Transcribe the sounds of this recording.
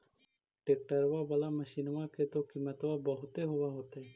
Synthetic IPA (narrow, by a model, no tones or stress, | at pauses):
ʈek̚ʈaɾbabalaməʃinɔmaket̪okimat̪ɔwabɔɦot̪eɦɔbaɦot̪e